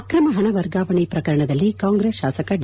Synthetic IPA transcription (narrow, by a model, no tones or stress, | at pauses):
kɾɐmɐɦɐɳɐʋɐɾɡaːʋɐɳipɾɐkɐɾɐɳɐðɐlːikaːŋɡɾesʃaːsɐkɐɖ